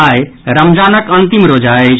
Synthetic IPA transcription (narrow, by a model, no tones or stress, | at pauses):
ajɾəmd͡ʒanəkənt̪imɾod͡ʒae